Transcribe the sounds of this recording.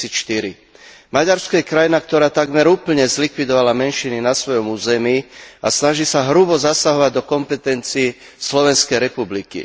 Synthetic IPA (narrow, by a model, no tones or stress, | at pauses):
iʃt̪iɾḭ | maɟaɾskɔjɛkɾajinakt̪ɔɾaːt̪aɡmɛɾuːpl̩ɲɛzlikʋid̪ɔʋalamɛnʃininasʋɔjɔmuːzɛmiːasnaʒiːsaɦɾubɔzasaɦɔʋaɟ̚d̪ɔkɔmpɛt̪ɛnt͡siː | slɔʋɛnskɛjɾɛpublikḭ